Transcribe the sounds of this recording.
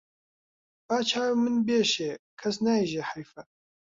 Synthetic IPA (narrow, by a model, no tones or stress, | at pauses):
b̥aːt͡ʃʰaːwmɨnbeːʃeːkʰɐsnaiʒeħajfɐ